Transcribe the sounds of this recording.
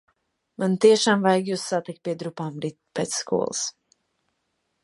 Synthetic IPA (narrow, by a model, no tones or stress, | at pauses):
mant̪iɛʃaːmvajɡʲjusːat̪ikt̪̚pʲiɛd̪ɾupaːmɾi | pɛːt̪sskṵɔ̰l̰ˠs